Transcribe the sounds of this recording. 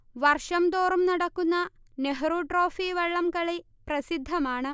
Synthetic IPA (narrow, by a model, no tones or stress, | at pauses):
ʋɐrʂɐmd̪oːrɐmnɐɽɐkːunːɐ | neɦɐɾuʈro̞ːfiʋɐɭːɐmkɐɭe | prɐsid̪ʱːɐmaːɳɨ